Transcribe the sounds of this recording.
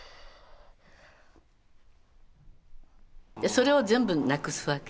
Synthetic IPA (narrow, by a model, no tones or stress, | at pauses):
aso̞ɾe̞o̞zẽ̞mbɯnakɯsɨβake